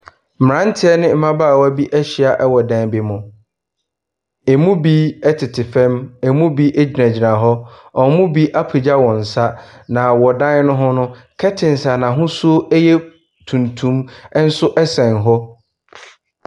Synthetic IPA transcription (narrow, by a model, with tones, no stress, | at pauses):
m˨ã˦n̩˦tʰɪ˦ɛ˦nɪ̃˦m̩˦mã˦baː˦˨wæ˦˨bi˦ʔɛ˦ɕi˨a˨ʔɛ˦wɔ˨dã˨nbɪ˨mʊ̃˨ | e˨mũ˦bi˦ɛ˦tʰɪ˨tʰɪ˨fɛ̃˦me˨mũ˦bi˦ʔɛ˦d͡ʑi˨nã˨d͡ʑi˨nã˨ɦɔ˦ɔ̃˨˦mũ˦bi˦ʔa˦pʰi˨d͡ʑa˦wɔ̃˨n̩˨sa˦nã˨wɔ˨dã˦n˦nʊ̃˦ɦɔ̃˦nʊ̃˦ | kʰɛ˦tʰɪ̃˨n˨sa˨nã˨ɦʊ̃˦su˦o˦ʔɛ˦jɛ˦ | tʰũ˨ntʰũ˦m˦n̩˦sʊ˦ʔɛ˦sɛ̃˨nɦɔ˦